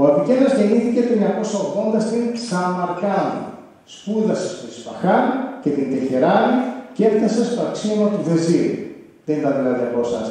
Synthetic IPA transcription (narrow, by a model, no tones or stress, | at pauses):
oɐpicelozʝe̞niθice̞t̪oɲɐko̞sɐoɣðo̞nd̪ɐst̪inksɐmɐɾkɐnḭ | spuðɐsst̪oispɐxɐnce̞t̪ind̪eçeɾɐniceft̪ɐse̞st̪oɐksinot̪uðe̞ziɾ | ðenit̪ɐðilɐt̪eposɐ̰